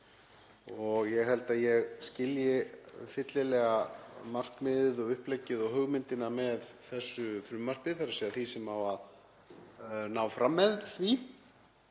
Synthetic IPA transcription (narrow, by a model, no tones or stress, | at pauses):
ɔɣjɛɣɦɛlt̪aðjɛɣscɪljɪfɪt̪lɪlɛːɣamar̥kmɪðɪðɔɣʏhplɛcːɪðɔɣɦœɣmɪnt̪ɪnamɛðθɛsːʏfɾʏmːar̥pɪθaɾasiaθisɛmavað | naːwfɾamːɛðθvi